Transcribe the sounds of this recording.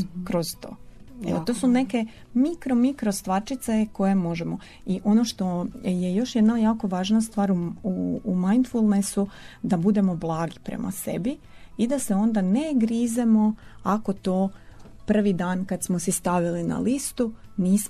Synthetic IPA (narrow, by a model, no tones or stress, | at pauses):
kɾozt̪o̰ːḛot̪o̞ːsune̞ke̞ | mikɾomikɾo̞st̪ʋaɾt͡ʃit̪seko̞je̞mo̞ʒemo̞ | iʔo̞noʃt̪o̞je̞jo̞ʃjed̪najaːko̞ʋaːʒnast̪ʋaːɾuuːmajnt̪fulˠnesud̪abud̪e̞mo̞blˠaːɡipɾḛmʔa̰se̞̰bi | id̪aseo̞nd̪aneɡɾizemo̞ako̞t̪oː | pr̩ʋid̪aːnkad̪smosɛst̪aʋilina̰list̪uniːs